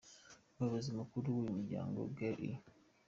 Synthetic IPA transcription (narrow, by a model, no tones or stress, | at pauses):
baβazimakuɾuwumuɟa̰ːŋɡo̰ɡaʔḭ